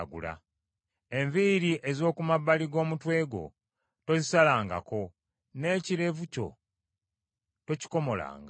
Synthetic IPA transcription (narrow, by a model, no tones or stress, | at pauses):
ɡṵla̰ | e̞ɱviɾiʔe̞zo̞ːkumabːaliɡo̞ːmutwe̞ːɡo̞̰ | to̞zisalaːŋɡa̰ko̞ | ne̞ːciɾe̞vuco̞̰ | to̞ci̥ko̞mo̞la̰ːŋɡa